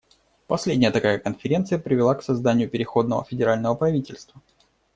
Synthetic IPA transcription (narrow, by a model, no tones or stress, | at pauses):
pɐsʲlʲedʲnʲɪjət̪ɐkajəkənfʲɪɾʲe̞nt̪sɨjəpɾʲɪvʲɪlˠaksɐzd̪anʲɪjʊpʲɪɾʲɪxo̞d̪nəvə̰fʲɪdʲɪɾalʲnəvəpɾɐvʲitʲɪlʲst̪və